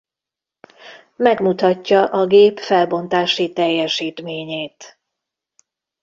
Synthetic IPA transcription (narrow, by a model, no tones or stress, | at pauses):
mɛɡmut̪ɒcːɒʔɒɡeːpfɛlbo̞nt̪aːʃit̪ɛjːɛʃiːt̪meːɲeːt̪